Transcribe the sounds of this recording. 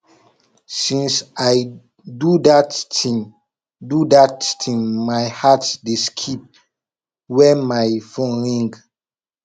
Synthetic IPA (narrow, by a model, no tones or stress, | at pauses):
sĩnsaj | dudatĩ | dudattʰĩŋmajhatdeskʰip̚ | wɛmajfõnɹĩŋɡ